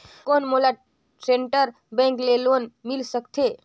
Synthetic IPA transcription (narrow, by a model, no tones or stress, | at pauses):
konmola | seɳʈəɾ | bɛ̃ŋklelonmilsəkt̪ʰe